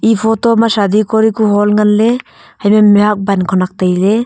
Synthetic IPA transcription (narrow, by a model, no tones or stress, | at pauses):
ipʰɔtɔmasad̪ikɔɾikuɦɔlŋanle | hajmamiɦak̚bankʰɔnak̚t̪ajle